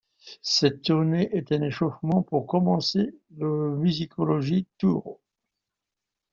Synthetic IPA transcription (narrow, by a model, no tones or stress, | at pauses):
sɛt̪ːuʁneʔɛt̪ɛ̃neʃɔfmɑ̃puʁkɔmɑ̃seləmyzikʰɔlɔʒit̪uʁ